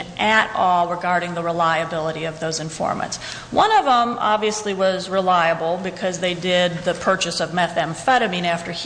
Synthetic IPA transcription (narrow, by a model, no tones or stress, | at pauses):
ʔɨɾɔlˠɹəɡɑɹɾɪ̃ŋðəɹəlaɪɨbɪlˠəɾiʌvðoʊzɨ̃ɱfɔ̰ɹmə̰̃nts | wʌ̃nʌvə̃mʔɑ̰bviɨsliwʌzɹəlaɪəbl̩ˠbɨkʰʌzðeɪdɪd̪̚ðɨpʰɜ˞t͡ʃɨsʌvmɛθɨ̃ɱfɛɾɨmĩnæftə˞